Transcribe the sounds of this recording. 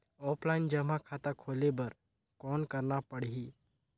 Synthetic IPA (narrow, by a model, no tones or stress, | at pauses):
ɔːplaɪnd͡ʒəmakʰaːt̪akʰoːlebəɾ | kɔːnkəɾnapəɽiɦi